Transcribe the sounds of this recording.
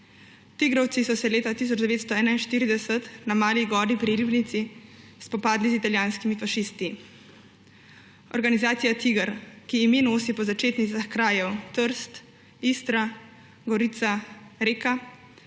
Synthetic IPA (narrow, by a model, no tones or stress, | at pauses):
t̪iɡɾɔwt̪sisɔsɛleːt̪at̪iːs̬ɔd͡ʒd̪ɛʋeːt̪st̪ɔɛːnainʃt̪iːɾid̪ɛsət̪namaːliɡɔːɾipɾiɾibnit̪sispɔpaːd̪lizit̪aljaːnskimifaʃiːst̪i | ɔ̰ɾɡanizaːt̪sijat̪iɡəɾkiːminoːsipɔzat͡ʃeːt̪nit̪saxkɾaːjɛwt̪əɾst̪ | ist̪ɾa | ɡɔɾit̪saɾeːka